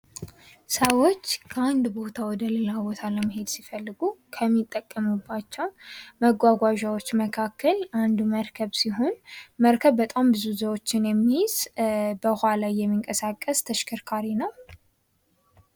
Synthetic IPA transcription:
səwot͡ʃːkʰəand̪bo̞t̪ʰawɔd̪əlɨlabɔt̪ʰaləməɦe̞d̪sifəlːɨɡukʰəmːit̪ʼːəkʼːəmubːat͡ʃːɛwməɡʷaɡʷaʒawot͡ʃːməkʰakʰːəland̪uməɾkʰəβsiɦonməɾkʰəβːət̪ʼambɨzuzəwot͡ʃːɪnjɛmːijz̥bəhʷalajːɛmːiŋkʼəsakʼːəst̪ʰəʃkʰɨɾkʰaɾinəw

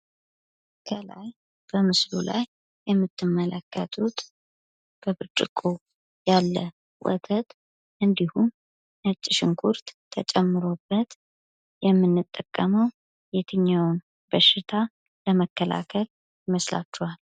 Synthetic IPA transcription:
kʰəla̰j | b̥əmɨslula̰jː | ɛmːɨt̪ʰːɨmːələkːət̪ʰut̪ | b̥əbɨɾt͡ʃʼɪkʼo | jalːə | wɔ̰t̪ʰət̪ | ʔɨnd̪ihum | ɨt͡ʃʼːɪʃɪŋkʰuɾt̪ʰːət͡ʃʼɛmːɨɾo̞bːət̪ | jɛmːɨnːɨt̪ʼːəkʼːəməw | jɛt̪ʰɨɲːawn | bəʃːɪt̪ʰa | ləməkːəla̰kʰəl | jɪməsla̰t͡ʃːɛhal

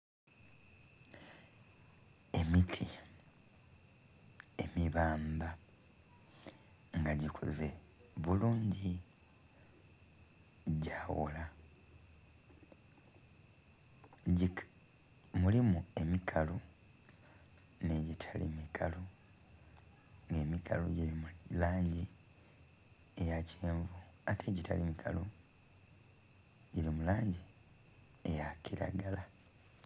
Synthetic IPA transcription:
e̞mitʰi | e̞miβaːmba | ŋɡaɟikʰo̰ze̞ | βuluːɲɟi | ɟaːwo̰la | mulimue̞mikʰalu | ne̞ɟitʰalḭmikʰalu | ŋɡe̞ːmikʰa̰lṵɟiɾimulaːɲɟi | ejacʰeːɱvuatʰe̞ɟita̰limikʰa̰lu | ɟiɾimulaːɲɟi | ejakiɾa̰ɡala

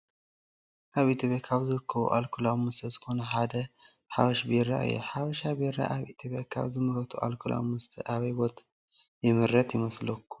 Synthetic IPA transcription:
ʔaβit̪ʰjopjakʰaβzɨɾɨkʰːɐβṵʔalkʰulawmɨst̪ʰɐzɨxo̞nɐħad̪ɐ | ħaβɐʃbeɾa̰ʔɨ̰jɛ̰ħaβɐʃabeɾa̰ʔaβʔit̪ʰjopjakʰa̰βzɨmɨɾɐt̪ʰuʔa̰lkʰula̰wmɨst̪ʰɨʔaβɐjbo̞t̪ʰ | jɪmɨɾɐt̪jɪmɐslɐkʰːu̥

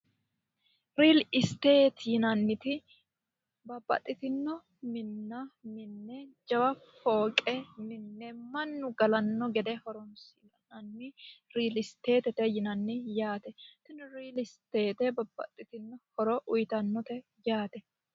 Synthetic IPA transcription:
ɾiːlɪst̪e̞ːt̪jɪnɐnːɪt̪ɪ | bɐbːɐ̰t̪ʼːɪt̪ɪnːɔ | mɪnːɐmɪnːɛd͡ʒɐwɐfoːkʼɛnɪnːɛmɐnːʊɡɐlɐnːɔɡɛd̪ɛhɔɾɔnsɪɡɐnɐnːɪɾiːlɪst̪e̞ːt̪ɛt̪ɛjɪnɐnːɪjaːt̪ɛt̪ɪnɾiːlɪst̪eːt̪ɛbɐbːɐ̰t̪ʼːɪt̪ɪnːɔhɔɾɔʔʊjt̪ɐnːɔt̪ɛ | jaːt̪ɛ

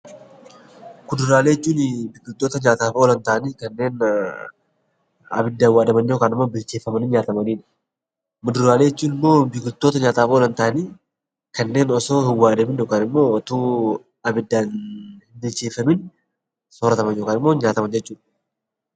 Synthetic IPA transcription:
kʊd̪ʊɾaːleːɪt͡ʃːuːnɪbɪkʊlt̪ːoːt̪ɐɲaːt̪aːfoːlɐnt̪ɐʔɐniːkɐnːe̞ːn | ɐ̰bɪd̪ːɐhɪwːaːd̪ɐmɐnːjoːkaːnɪmːo̞ːbɪlt͡ʃeːfɐmɐnɪnɲaːt̪ɐmɐniːᶑɐ̥ | mʊd̪ʊɾaːleːɪt͡ʃːuːnɪmːo̞ːbɪkʊt̪ːo̞ːt̪ɐɲaːt̪aːfoːlɐnt̪ɐʔɐniː | kɐnːe̞ːnɔso̞ːhɪwːaːd̪ɐmɪnjoːkaːnɪmːo̞ːɔt̪uː | ɐbɪd̪ːanhɪnbɪlt͡ʃeːfɐmɪn | soɾɐt̪ɐmɐnjoːkaːnɪmːoːɪnɲaːt̪ɐmɐnd͡ʒɛt͡ʃːuːᶑ

